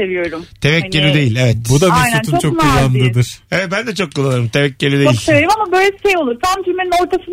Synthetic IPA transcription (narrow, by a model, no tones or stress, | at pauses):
evijo̞ɾumt̪ʰevɛcːelʲid̪e̞jilʲevɛt̪bud̪aaijnunʰunt͡ʃnt͡ʃʰoknulˠand̪ɯd̪ɯɾ̥evɛt̪̚bænd̪ɛt͡ʃʰo̞kːʰulˠanaɾɯmt̪ʰevɛcːelʲid̪ejilʲeɾimamabøjlʲe̥ʃejolˠuɾt̪ʰamd͡ʒʰymenino̞ɾt̪ʰasɯn